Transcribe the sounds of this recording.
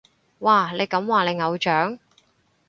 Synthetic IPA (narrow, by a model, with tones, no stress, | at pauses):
waː˨le˨˧jkɐ˨˥mwaː˨ne˨˧jŋɐ˨˧wt͡ʃœː˨˥ŋ